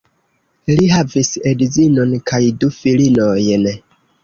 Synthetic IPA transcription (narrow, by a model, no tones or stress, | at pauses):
liɦavisedizino̞nkʰajdufilinojn